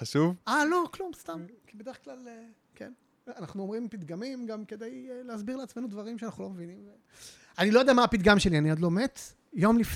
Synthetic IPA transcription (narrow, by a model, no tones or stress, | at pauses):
aʃuvalo̞klumst̪amkibed̪e̞eklale | kḛn | anaχnuomʁimpid̪ɡamimɡamke̞d̪ajleazbiʁleat͡sme̞nud̪vaʁimʃeanaχnulo̞mevinimve | anilo̞jod̪eamaːpid̪ɡamʃelianiad̪lo̞met̪ | jo̞mlif